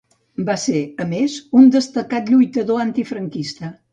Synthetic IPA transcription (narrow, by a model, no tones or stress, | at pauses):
baseəmezund̪əst̪əkat̪ʎujt̪əðoant̪ifɾəŋkist̪ə